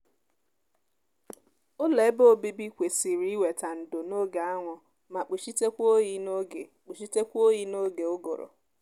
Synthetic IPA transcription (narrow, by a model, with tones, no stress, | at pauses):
ʊ˦le˨˦bo˦˨bi˦bi˦kʷe˨si˨ɾi˦i˦we˨ta˨n̩˨do˨no˦ɡa˨a˦ŋʷʊ˨ | ma˨k͡pi˨ʃi˦te˦kʷo˦ji˦no˦ɡe˨k͡pi˨ʃi˦te˦kʷo˦ɣi˦no˦ɡe˨ʊ˦ɡo˨ɾʊ̰˨